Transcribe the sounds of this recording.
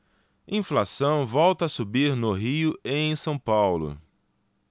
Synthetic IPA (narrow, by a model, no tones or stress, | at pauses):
ĩflasɐ̃w̃vɔwt̪ɐːsubiɾnʊɦiʊẽj̃sɐ̃w̃pawlʊ̰